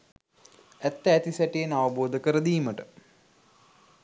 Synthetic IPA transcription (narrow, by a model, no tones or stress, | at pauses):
æt̪ːəæt̪isæʈijenaʋəboːd̪əkəɾəd̪iːməʈə